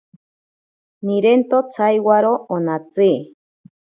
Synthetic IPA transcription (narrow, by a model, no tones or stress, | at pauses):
niɾent̪ot͡sʰajwaɾoonat͡si